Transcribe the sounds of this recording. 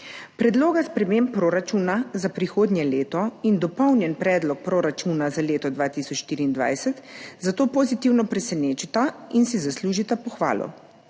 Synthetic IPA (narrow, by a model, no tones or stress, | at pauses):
pɾɛd̪loːɡaspɾɛmeːmpːɾoːɾat͡ʃuːnazapɾixoːd̪nʲjɛleːt̪ɔind̪ɔpɔwnjɛnpɾɛːd̪lɔk̚pɾoːɾat͡ʃunazaleːt̪ɔd̪ʋaːt̪isɔt͡ʃʃt̪iːɾiːnd̪ʋa̰jsɛt̪zat̪oːpozit̪iwnɔpɾɛsɛneːt͡ʃit̪ainsizasluːʒit̪apɔxʋa̰ːlɔ̰